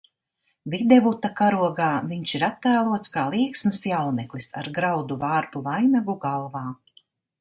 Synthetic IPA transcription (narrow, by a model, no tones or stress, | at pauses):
vid̪ɛvut̪akaɾuɔɡaːviɲʃiɾat̪ːæːlˠuɔt̪skaːlˠiːksmɨsjawnɛklˠisa̰ɾɡɾawd̪uvaːɾpuvajnaɡuɡalˠvaː